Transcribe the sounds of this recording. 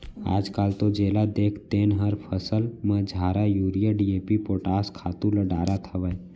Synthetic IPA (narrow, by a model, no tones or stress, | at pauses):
a̰ːd͡ʒkaːlt̪od͡ʒeːlad̪eːkʰt̪eːnɦəɾpʰəsəlmə̃d͡ʒʱaːɾajuːɾijəɖieːpipoːʈaːskʰaːt̪ũləɖaːɾat̪ʰəʋəj